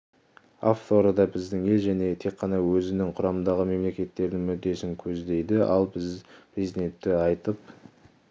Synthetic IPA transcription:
aft̪ʰo̞ɾəd̪ɑbɪzd̪ɪŋe̞lʒæne̞t̪ʰe̞qʰːɑnɑwɵzɪnɪŋqʰʊɾɑmənd̪ɑʁəme̞mle̞kʲe̞t̪ːe̞ɾd̪ɪŋmʏd̪ːe̞sɪŋkʲʰɵzd̪e̞jd̪ɪɑ̰lˠbɪzpiznet̪ːɪɑjt̪əp

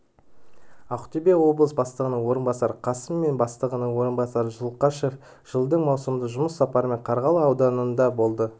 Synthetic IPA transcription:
ɑqʊ̥t̪ebe̞wo̞blˠəsbɑst̪əʁənəɴwo̞ɾənbɑsɑɾqʰɑsəmːe̞nbɑst̪əʁənəɴwo̞ɾənbɑsɑɾəʒəlˠqɑʃe̞f | ʒ̥əlˠd̪əɴmɑwsəmd̪əʒʊməsːɑpɑɾəme̞ɴqʰɑɾʁɑlˠəɑwd̪ɑnənd̪ɑbo̞lˠd̪ə

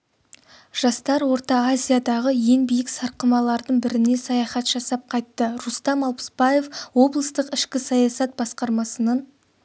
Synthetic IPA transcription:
ʒ̥ɑst̪ɑɾwo̞ɾt̪ɑːzʲijad̪ɑʁəje̞ŋnbijɪksɑɾqəmɑlˠɑɾd̪əɴbɪɾɪne̞sɑjɑχɑt̪ʒ̥ɑsɑp̚qʰɑjt̪ːəɾust̪ɑmɑlˠpə̥sbɑje̞fwo̞blˠəst̪əqɪʃkʲɪsɑjɑsɑt̪̚bɑsqɑɾmɑsənɑn

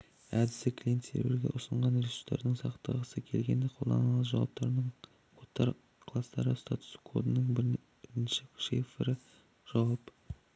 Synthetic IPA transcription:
æd̪ɪsɪkʰlʲije̞nt̪se̞̰ɾb̰ɾɡʲeʔʊsəɴʁɑnet̪u̥t̪ːɑ̰ɾd̪əɴsɑqt̪əʁəsəkʲʰe̞lɡʲe̞nd̪eqʰo̞lˠd̪ɑ̰nɑlˠəʒɑ̰wɑp̚t̪ɑɾnəɴʰ | ot̪ːɑɾ | qʰlˠɑst̪ɑɾəst̪at̪ʊ̥skʰo̞̰d̪ənəɴb | ɪnʃɪkʃefeɾɪ | ʒ̥ɑwɑp

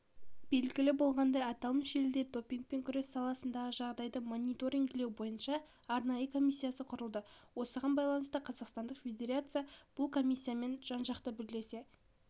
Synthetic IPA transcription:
b̥e̞lɡʲɪlɪbo̞lˠʁɑnd̪ɑjɑt̪ɑlˠəmʃelɪd̪e̞d̪o̞pʲiŋk̚pe̞ŋkʲʰʏɾe̞sːɑlˠɑsənd̪ɑʁəʒɑʁd̪ɑjd̪əmonʲit̪o̞ɾʲiŋkɪlewbo̞jənʃɑː | ɾnɑjəkʰo̞mʲisːijasəqʰʊɾəlˠd̪əwo̞səʁɑnbɑjlˠɑnəst̪əqʰɑzɑqst̪ɑnd̪əqfʲe̞d̪ʲeɾat̪sɨjab̥ʊlˠkʰo̞mʲisʲːijame̞nʒ̥ɑnʒɑqt̪əbɪle̞se̞

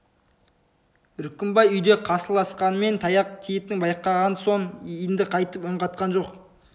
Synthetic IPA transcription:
ɾʏkʲːɪmbɑjʏjd̪e̞qʰɑsəlˠɑsqɑnəme̞nt̪ʰɑjɑq̚t̪ʰijep̚t̪ɪŋbɑjqːɑʁɑnso̞ɴjnd̪ɪqʰɑjt̪əpʊɴʁɑt̪̚qɑnʒo̞q

